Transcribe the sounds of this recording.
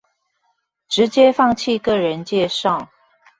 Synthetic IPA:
ʈ͡ʂɻ̩˨˦t͡ɕjɛ˥˦fɑ˥˧ŋt͡ɕʰi˥˧kɤ˥˩ɻə˧˦nt͡ɕjɛ˥˧ʂɑ˥˨ʊ

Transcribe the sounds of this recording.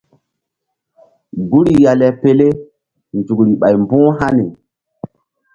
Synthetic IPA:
ɡu˦ɾi˨ja˨lɛ˨pe˦le˦ | nd͡ʒu˨kɾi˨ɓa˨jmbũ˦ɦa˦ne˨

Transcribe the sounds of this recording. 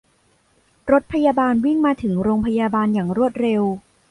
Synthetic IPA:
ɾo˦˥t̪̚pʰa˧jaː˧baː˧nwi˥˩ŋmaː˧t̪ʰɯ˩˦ŋɾoː˧ŋpʰa˧jaː˧baː˧njaː˨˩ŋɾu˥˩ət̪̚ɾe˧w

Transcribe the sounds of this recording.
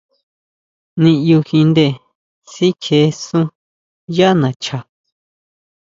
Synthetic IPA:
nĩ˧ju˧xĩ˧nd̪e˦˧˨ | si˦kʰe˨˧˦sũ˦ | ja˦nã˨t͡ʃa˧˨

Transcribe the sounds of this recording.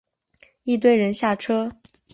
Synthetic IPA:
i˥˧t̪we˥˩ɪɻə˧˥nɕja˥˩ʈ͡ʂʰɤ˥

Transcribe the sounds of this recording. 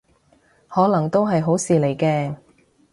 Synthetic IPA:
hɔː˨˥lɐ˨˩ŋt̪o˥wɦɐ˨jɦo˨˥wsiː˨le˨˩jkɛː˧

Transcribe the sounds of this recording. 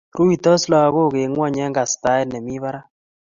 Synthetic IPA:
ɾu˦i˨tɔ˦sla˨a˨ɣo˦˨ɣe˨ŋwa˦˨ɲɛ˦ŋɡa˨sta˦ɪ˦lne˨mi˦βa˦ɾa˦

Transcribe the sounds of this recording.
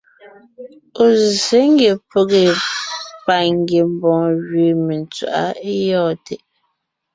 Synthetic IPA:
o˨ze˨˦ŋ˦ɡe˨po˦˨ɣe˨ | pa˨ŋ˦ɡe˨m̩˦˨bɔ̃˨ŋɣɥe˨me˨n˨t͡swa̰˨ʔa̰˦e˦jɔː˦˨te˨ʔ

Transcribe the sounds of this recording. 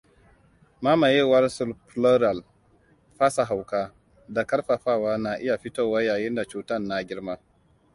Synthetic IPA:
maː˦ma˨jɛ˦wa˦ɾsʊ˦˨lplo˦ɾa˨l | ɸa˦sa˨ɦa˨wkaː˦ | da˨kɐ˦ɾɸa˨ɸaː˦waː˦na˨ʔɪ˦ja˨ɸi˦toː˦˨wa˦jaː˨jɪ˦nda˨t͡ʃuː˨tɐ˦˨nːa˦ɡʲɪ˦ɾmaː˦

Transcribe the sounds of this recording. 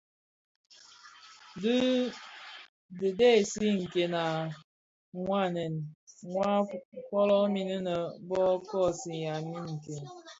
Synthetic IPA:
dɨ˦ | de˨de˦˨si˦ŋ̩˨ke˨na˨ | ŋʷa˦˨nɛ˨nŋʷa˦kɔ˦lɔ˦mi˨nɨ˦nə˨bɔ˦kɔ˦˨si˨ja˨mi˦ŋ̩˨ke˨n

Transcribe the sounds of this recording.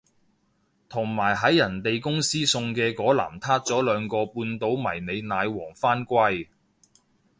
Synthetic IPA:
t̪ʰʊ˨˩ŋmaː˨˩jɦɐ˨˥jjɐ˨˩nt̪e˨jkʊ˥ŋsiː˥sʊ˧ŋkɛː˧kɔː˨˥la̰ː˨˩mt̪ʰaː˥t̚t͡sɔː˨˥lœː˨˧ŋkɔː˧puː˧nt̪o˨˥wmɐ˨˩jne˨˧jnaː˨˧jwɔː˨˩ŋfaː˥nkʷɐ˧j

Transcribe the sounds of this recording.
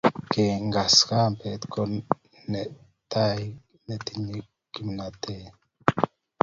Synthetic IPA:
ke˨ŋɡa˨ska˦mpe˨t̪ko | nɛ˨ | t̪a˦j | ne˨t̪i˨ɲi˦ | ki˨m˨na˨t̪e˦

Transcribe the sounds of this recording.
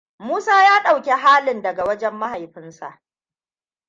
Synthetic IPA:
muː˦saː˦jaː˦ɗa˨wkʲe˦ɦaː˦lɪ˨ndɐ˨ɡa˨wɐ˦d͡ʒɛ˦mːa˦ɦa˨jɸɪ˦nsa̰˨ʔ

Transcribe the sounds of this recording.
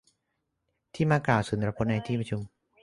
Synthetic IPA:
t̪ʰiː˥˩maː˧klaː˨˩wsu˨˩˦n˧ɾa˧pʰo˦˥na˧jt̪ʰiː˥˩pɾa˧t͡ɕʰu˧m

